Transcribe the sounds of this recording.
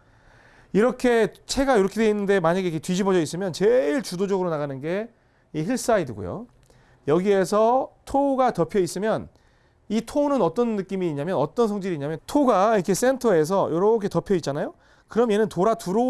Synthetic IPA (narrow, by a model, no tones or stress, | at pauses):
iɾʌkʰe̞t͡ɕʰe̞ɡajoɾʌkʰedweinːɯnde̞maɲaɡeikʰetɥid͡ʑibʌd͡ʑʌis͈ɯmjʌnt͡ɕeɭt͡ɕudod͡ʑʌɡɯɾonaɣanɯnɡe̞ | ihiɭs͈aidɯɡo̰jo̰ | jʌɡie̞sʰʌtʰoɡatʌpʰjʌis͈ɯmjʌn | itʰonɯnʌt͈ʌnːɯk͈imiːɲːamjʌnʌt͈ʌns̬ʰʌŋd͡ʑiɾiːɲamjʌtʰoɡaikʰe̞s͈e̞ntʰʌe̞s̬ʰʌjoɾʌkʰe̞tʌpʰjʌit̚t͡ɕ͈anajo | kɯɾʌmje̞nɯntoɾatuɾo